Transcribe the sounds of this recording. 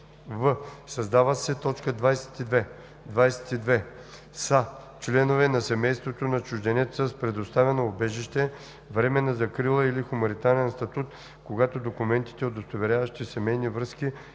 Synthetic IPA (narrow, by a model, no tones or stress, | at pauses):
vəsɐzd̪avət̪sɛt̪ɔt͡ʃkəd̪vajsɛ̥t̪id̪vɛ | d̪vajsɛ̥t̪id̪vɛ | sa | t͡ʃlɛnovɛnɐsɛmɛjst̪vot̪onɐt͡ʃuʒd̪ɛnɛt̪səspɾɛd̪ost̪avɛnoːbɛʒiʃt̪ɛ | vɾɛmɛnəzɐkɾilˠəilixʊmɐnit̪aɾɛnst̪ɐt̪ut̪ | koɡat̪od̪okumɛnt̪i̥t̪ɛod̪ost̪ovɛɾʲjavɐʃt̪isɛmɛjnivɾɤski